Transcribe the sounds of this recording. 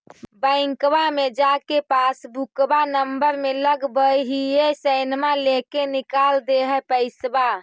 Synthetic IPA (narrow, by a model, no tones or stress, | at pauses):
bəɪ̃ŋkbamed͡ʒakepasbukbanəmbəɾmeləɡbəjɦiesəjnmalekenikald̪eɦɛpəɪsba